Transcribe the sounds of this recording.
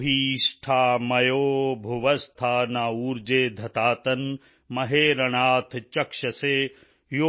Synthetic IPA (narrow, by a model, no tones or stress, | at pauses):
ɦiːʃʈʰaːmɐjoːbʱuʋɐst̪ʰaːnaːuːɾd͡ʒeːd̪ʱɐt̪aːt̪ɐn | mɐɦeːɾɐɳ̃aːt̪ʰt͡ʃɐkʃɐseː | jo